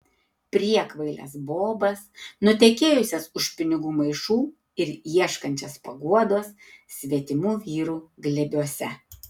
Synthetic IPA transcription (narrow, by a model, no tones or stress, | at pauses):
pʲɾʲiɛkʋɐɪlʲɛ̰sboːbɐsnʊt̪ʲɛkʲeːjʊsʲɛsʊʃʲpʲɪnʲɪɡuːmɐɪʃuː | ɪɾjiɛʃkɐnʲt͡ʃʲɛspɐɡuɔd̪oːs | sʲʋʲiɛt̪ʲɪmuːʋʲiːɾuːɡlʲɛbʲuɔsʲɛ